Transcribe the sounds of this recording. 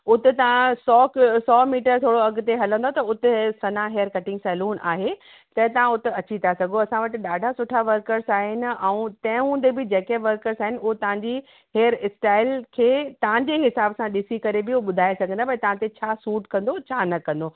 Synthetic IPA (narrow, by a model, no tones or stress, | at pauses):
ʊt̪ɪt̪ɐʋãsɔːksɔːmiːʈəɾt̪ʰoːɽoɐɡ̆t̪eɦɐlə̃nd̪ʱot̪ɐʊt̪ɪsɐnaɦejəɾkɐʈɪ̃ŋɡsɛːluːnʔa̰ːɦe | t̪ɐt̪ɐʋ̤ãʊt̪ɪɐt͡ɕit̪ʰasɐɡʱoɐsãʋɐʈɪ̆ɗaːɖʱasʊʈʰaʋɐɾkəɾsaːɦɪnɪ̆ɛ̃ũt̪ɐ̃ɦɪ̃ɦũːnd̪ebɪd͡ʑeːkeʋɐɾkəɾsaːɦɪnɪʊɦot̪ɐʋ̤ãɲd͡ʑi | ɦeːjəɾɪsʈaːɪlkʰeːt̪ɐʋ̤ãɲd͡ʑeːɦɪsaːbsãɗɪsikɐɾebɪuɓʊd̪ʱaːesɐɡʱə̃nd̪apɐĩt̪ɐʋ̤ãt̪et͡ɕʰaːsuːʈkɐ̃nd̪ot͡ɕʰaːnɐkɐ̃nd̪oː